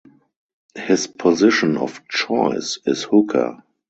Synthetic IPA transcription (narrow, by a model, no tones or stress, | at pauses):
hɪspʰɔzɪʃə̃nɔ̰ft͡ʃɔɪsɪshʊkʰə̰